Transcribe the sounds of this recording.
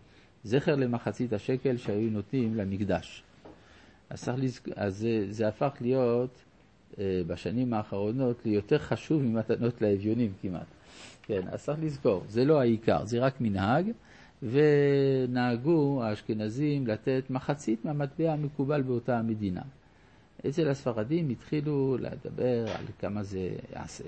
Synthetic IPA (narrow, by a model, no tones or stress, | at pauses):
zeχeʁle̞maχat͡sithaʃeke̞lʃeajuno̞t̪nimlamikd̪aʃ | ʔa̰zt͡saχlizazezeafaχlijo̞t̪ | baʃanimaːχaʁo̞no̞t̪lejo̞t̪e̞ʁχaʃuvmimat̪ano̞t̪laevjo̞nimkimʔa̰t̪kena̰saχlizko̞ʁzelo̞aika̰ʁzeʁakminhaɡ | ve̞naaɡuaʃkenazimlate̞tmaχat͡sitmeamat̪beamekubalbeo̞tame̞d̪ina̰ | ʔet͡selasfaʁadimit̪χilulḛd̪a̰be̞ʁa̰lkamaze̞ja̰a̰sḛ